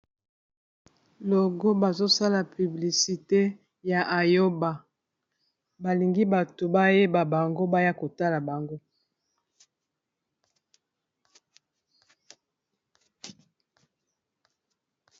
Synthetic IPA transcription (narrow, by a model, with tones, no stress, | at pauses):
lo˨ɡo˦ba˨zo˦sa˦la˨py˨bli˨si˨te˦ | ja˨ʔa˨jo˦ba˨ | ba˨li˨ŋɡi˦ba˨to˨ba˦je˦ba˨ba˨ŋɡo˦ba˦ja˦ko˨ta˦la˨ba˨ŋɡo˦